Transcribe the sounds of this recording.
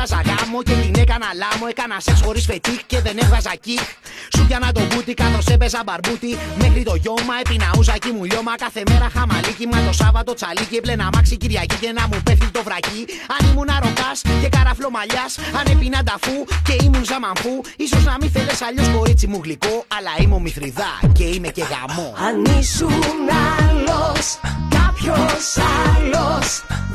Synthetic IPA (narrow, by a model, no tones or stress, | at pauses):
ɐzɐɣɐmoce̞t̪inekɐnɐlɐmoekɐnɐse̞ksxo̞ɾisfe̞t̪ikce̞ðe̞ne̞vɣɐzɐcik | suʝɐnɐt̪o̞but̪ikɐθo̞se̞pe̞zɐbɐɾbut̪ime̞xɾit̪o̞ʝo̞mːɐe̞pinɐusɐcimuʎo̞mɐkɐθe̞me̞ɾɐxɐmɐlicimɐt̪o̞sɐvɐt̪o̞t͡salicieple̞namɐksiciɾʝɐcicenɐmupe̞θθit̪o̞vɾɐciɐnimunɐɾo̞kɐsce̞kɐɾɐflo̞mɐʎɐsɐne̞pinɐd̪ɐfuce̞imunzɐmɐɱfuiso̞znɐmiθe̞le̞sɐʎo̞sko̞ɾit͡simuɣliko̞ɐlɐimo̞miθɾiðɐce̞ime̞ce̞ɣɐ̰mo̞ɐnisumaloskɐpçosɐlos